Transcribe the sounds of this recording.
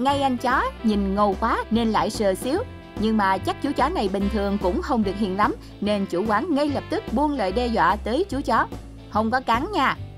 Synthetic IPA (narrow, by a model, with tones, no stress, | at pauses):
ŋa˧jʔa˧jŋ̟t͡ɕɔ˨˦ɲi˨˩nŋo˨˩wkwaː˨˦ne˧nla̰ː˧˨jsəː˨˩si˨˦əw | ɲɨ˧ŋmaː˨˩t͡ɕa˦˥k̚t͡ɕu˨˦t͡ɕɔ˨˦na˨˩jɓï˨˩ŋ̟t̪ʰɨ˨˩əŋkʊ̰˧˥ŋ͡mxə˧wŋ͡mɗɨ˨˩ək̚hḭ˧˨ənla˨˦m | ne˧nt͡ɕu˧˩kwaː˨˦ŋŋa˧jləː˨˩p̚t̪ɨ˦˥k̚ɓu˧ənlə̰ː˧˨jɗɛ˧zwa̰ː˧˨t̪əː˨˦jt͡ɕu˨˦t͡ɕɔ˨˦ | hə˧wŋ͡mkɔ˨˦kaː˨˦ŋɲaː˧˩